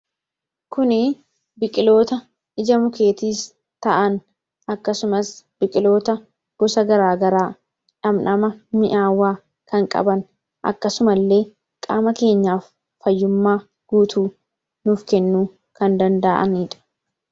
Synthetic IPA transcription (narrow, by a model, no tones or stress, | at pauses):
kʊnɪ | bɪkʼɪlo̞ːt̪ɐ | ʔɪd͡ʒɐmʊke̞ːt̪iːs | t̪ɐʔɐn | ʔɐkːɐsʊmɐsb̥ɪkʼɪlo̞ːt̪ɐ | ɡ̥ɔsɐɡɐɾaːɡɐɾaː | ᶑɐmnɐmɐmɪʔaːwːaː | kɐŋkʼɐ̰bɐn | ʔɐ̰kːɐsʊmɐlːe̞ː | kʼa̰ːmɐke̞ːɲːaːfː | ɐjːʊmːaː | ɡ̥uːt̪ʰuː | nʊfkɛnːuː | kɐnd̪ɐnd̪ɐʔɐ̰nɪᶑɐ̥